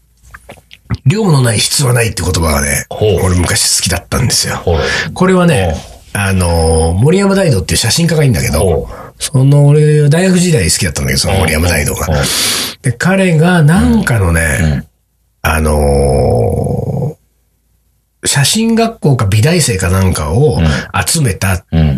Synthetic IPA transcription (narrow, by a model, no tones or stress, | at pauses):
ɾʲo̞ːmono̞naiɕi̥t͡sɨβanait̪ːeɯko̞t̪o̞baɡa̰nḛoɾemɯ̟kaɕi̥sɨ̥kʲid̪at̪ːã̰nd̪e̞sɨjo̞̰ko̞ɾe̞β̞aneano̞mo̞ɾʲiamɯ̟d̪aid̪o̞t̪ːeiɯ̟ɕaɕĩŋkaɡaĩnd̪ake̞d̪o̞sono̞ːɾeβad̪aiɡaɸɯ̟ʑid̪aiɲisɨ̥kʲid̪at̪ːand̪keoonmo̞ɾʲiamɯd̪aid̪o̞̰ːɡa̰ | d̪̥e̞kaɾe̞ɡanãŋkano̞ne̞̰ | a̰no̞ | ɕaɕĩŋɡakːo̞ːkabʲid̪aise̞ːkanãŋkaoat͡sɨme̞t̪a